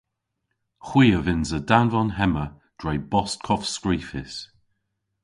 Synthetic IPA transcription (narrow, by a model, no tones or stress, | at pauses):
xwiːəvɪnzədanvɔnɦɛmə | d̥ɹɛjbɔs̚kʰɔfskɹiːfɪs